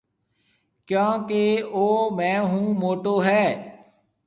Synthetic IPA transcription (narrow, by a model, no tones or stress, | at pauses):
kjõːkeːoːmɛ̃ːɦũːmoːʈoːɦɛː